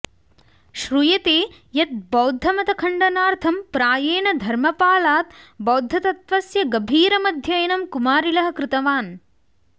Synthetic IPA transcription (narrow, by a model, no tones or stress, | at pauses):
ʃɾujɐt̪eː | jɐt̪̚bɐwd̪ʱːɐmɐt̪ɐkʰɐɳɖɐnaːɾt̪ʰɐmpɾaːjeːnɐd̪ʱɐɾmɐpaːlaːt̪bɐwd̪ʱːɐt̪ɐt̪ʋɐsjɐɡɐbʱiːɾɐmɐd̪ʱjɐjɐnɐmkumaːɾilɐɦɐ̆kɾɪt̪ɐʋaːn